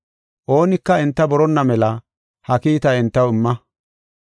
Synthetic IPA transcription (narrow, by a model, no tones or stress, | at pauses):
ʔo̞ːnɪkːɐɛnt̪ːɐbɔɾɔnːɐmɛlɐ | hɐkiːt̪ɐɛnt̪ːɐwɪmːɐ